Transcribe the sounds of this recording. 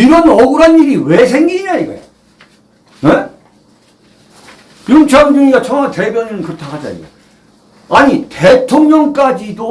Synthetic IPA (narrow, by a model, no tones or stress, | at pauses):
iɾʌnʌɡɯɾɦaniɾiwe̞sʰe̞ŋɡiɲaiɡʌ̰ja | ne | kjuŋt͡ɕʰaŋd͡ʑuŋiɡat͡ɕʰʌŋate̞bjʌninɯnkɯtʰaɦad͡ʑa̰ḭɡʌ̰ | aɲite̞tʰoŋɲʌŋk͈ad͡ʑido